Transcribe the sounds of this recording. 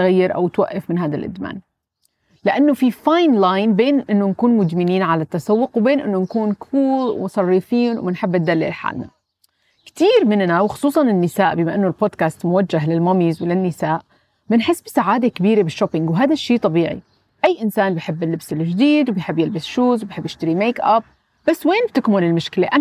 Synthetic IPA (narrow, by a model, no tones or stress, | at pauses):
ɣajːɪɾʔa̰wt̪waʔːafmɪnɦaːd̪alʔɪ̰d̪ma̰ːn | lɪʔanːofifajnlaːjnbeːnʔɪnːonkuːnmʊd̪mɪniːnʕalat̪ːasawːʊqwbeːnʔɪ̰nːonkuːnkʰuːlwsˤɑrˤːifiːnw̰mɪnħɪbːɪt̪d̪alːɪ̰lħa̰ːlna̰ | kt̪iːɾmɪnːawxʊ̥sˤuːsˤɑnɪnːɪsaːʔbɪmaʔɪnːolboːd̪kaːst̪mʊwad͡ʒːaɦlɪlmɑmiːzwɪlɪnːɪsaːʔ | bɪnħɪsːbɪsaʕaːd̪ekɪbiːɾebɪʃːopɪŋɡwɦaːd̪aʃːiːt̪ˤɑbiːʕḭ | ʔajːʔɪnsaːnbɪħɪbːɪlːɪbsɪlʒd̪iːd̪wbjħɪbːjɪlbɪsʃuːzwbjħɪbːʔɪʃt̪aɾimeːkʔap̚ | b̥asːweːnb̚t̪ɪkmʊlɪlmʊʃkɪleʔa